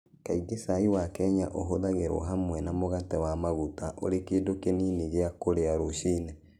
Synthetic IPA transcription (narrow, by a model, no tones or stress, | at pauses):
kaiɡesaiwakɛɲaʔoɦoðaɣeɾwɔ̰ɦamwɛnamoɣatɛwamaɣutaʔo̰ɾekeːdokeniniɣeakoɾeaɾoʃiːnɛ